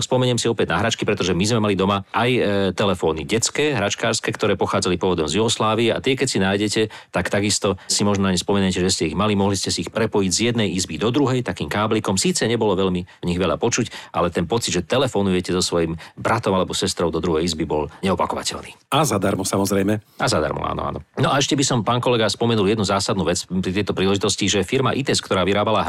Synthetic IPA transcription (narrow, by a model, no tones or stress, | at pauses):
spɔmɛɲɛmsiɔpɛɟ̪naɦɾat͡ʃkipɾɛt̪ɔʒɛmizmɛmalid̪ɔmaʔajt̪ɛlɛfɔːniɟɛt͡skɛːɦɾat͡ʃkaːɾskɛːkt̪ɔɾɛːpɔxaːd͡zalipɔɔʋɔd̪ɔmzjuɦɔslaːʋiɛʔa̰t̪ɪɛkɛcsinaːjɟɛcɛt̪akt̪aɡist̪ɔsimɔʒnnaɲɛspɔmɛnacɛʒɛscɛiɣmalimɔɦliscɛsiixpɾɛpɔjiɟzjɛd̪nɛjizbid̪ɔd̪ɾuɦɛjt̪akiːmkaːblikɔmsiːt͡sɛɲɛbɔlɔʋɛʎmiɲiɣʋɛʎa̰pɔt͡ʃucʔa̰lɛt̪ɛnpɔt͡sid̪ʒɛt̪ɛlɛfɔnujɛcɛzɔsʋɔjimbɾʔat̪ɔmalɛbɔsɛst̪ɾɔʊd̪ɔd̪ɾuɦɛjizbibɔlɲɛɔpakɔʋa̰cɛ̰lniːazad̪aɾmɔsamɔzɾɛjmɛʔazad̪a̰ɾmɔ̰a̰ːnɔ̰a̰ːnɔ̰nɔʔaɛʃcɛbisɔmpaːnkɔlɛɡaspɔmɛnuljɛd̪nuzaːsad̪nuːʋɛt͡spɾit̪ɛjt̪ɔpɾiːlɛʒit̪ɔsciʒɛfiɾma̰ʔit̪ɛskt̪ɔɾaːʋiɾaːbalaɦ